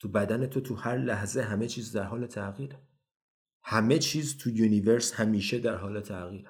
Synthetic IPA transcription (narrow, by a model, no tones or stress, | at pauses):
t̪ʰubæd̪æne̞t̪ʰot̪ʰuhæɾlæhze̞ɦæme̞t͡ʃʰiːzd̪æɾɦɒːle̞t̪ʰæɣiːɾe | hæme̞t͡ʃʰiːzt̪ʰujuniveɾshæmiːʃe̞d̪æɾɦɒːle̞t̪ʰæʔɣiːɾe